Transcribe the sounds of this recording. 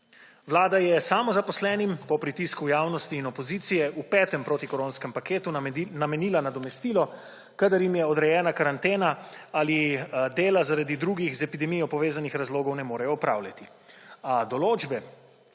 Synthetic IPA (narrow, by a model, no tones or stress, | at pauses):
ʋlaːd̪ajɛsamɔzapɔslɛːnimpɔpɾit̪iskujaːwnɔst̪iːnɔpɔziːt̪sijɛʔupɛːt̪ɛmpɾoːt̪ikɔɾoːnskɛmpakeːt̪unamɛniːlanad̪ɔmɛst̪iːlɔ | kad̪ɐɾjimjɛɔd̪ɾɛjɛːnakaɾant̪eːnaalid̪eːlazaɾad̪id̪ɾuɡixzɛpid̪ɛmijɔpɔʋeːzanixɾazloːɡɔwnɛmoːɾɛjɔɔpɾa̰ːwlʲjat̪i | ad̪ɔloːd͡ʒbɛ